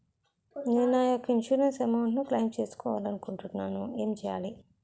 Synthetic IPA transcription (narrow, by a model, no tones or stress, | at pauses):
neːnnaːjɔkːɐinʃuːɾensɛmawɳʈnuklɐjmt͡ʃe̞ːsu̥kɔːʋa̰ːlɐnukuɳʈunːaːnue̞ːmt͡ʃɛːja̰ːli